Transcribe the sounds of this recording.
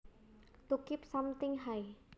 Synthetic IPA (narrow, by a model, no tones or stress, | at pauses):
t̪ukɪp̚samt̪ɪŋɦaj